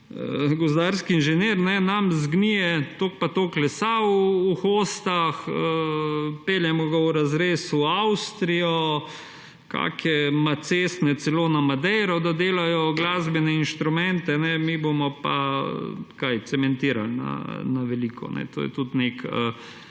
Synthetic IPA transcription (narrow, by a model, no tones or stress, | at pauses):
əɡɔzd̪aɾskiinʒɛneːɾnɛnamzɡnijɛt̪oːk̚pat̪oːklɛsauːxoːst̪axəpeljɛmɔɡauɾazɾeːsuawst̪ɾijɔ | ka̰ːkʰɛmat̪seːst̪nɛt̪sɛloːnamad̪ɛjɾɔd̪ad̪eːlajɔɡlaːzbɛnɛinʃt̪ɾumɛnt̪ɛnɛmibomɔpa | kajt̪sɛmɛnt̪iːɾa̰lna̰naʋɛliːkʰɔ̰nɛ̰t̪o̰jɛ̰t̪ut̪nekə̰